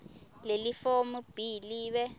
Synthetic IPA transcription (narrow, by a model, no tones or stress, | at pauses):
lelifomub̥ʱiliːɓɛ